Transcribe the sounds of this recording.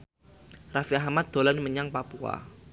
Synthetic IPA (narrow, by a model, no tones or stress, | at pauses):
rafiahmat̪̚d̪̥o̤lanməɲaŋpapua̰